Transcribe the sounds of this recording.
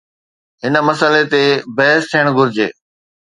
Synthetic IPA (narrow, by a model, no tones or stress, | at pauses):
ɦɪnəmɐsəlet̪ebɐɦɪst̪ʰijəɽ̃ɡʊɾɪd͡ʑḛː